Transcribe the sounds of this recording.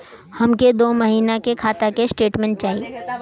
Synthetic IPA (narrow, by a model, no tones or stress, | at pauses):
hɐmked̪oːmɐɦiːnakekʰaːt̪akesʈeːʈmɛ̃ɳʈ̚t͡ʃaːɦi